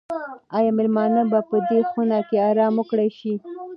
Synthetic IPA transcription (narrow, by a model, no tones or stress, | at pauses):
ɑjɑmɪlmɑnabapəd̪exunɑkeɑɾɑmwəkɽajʃi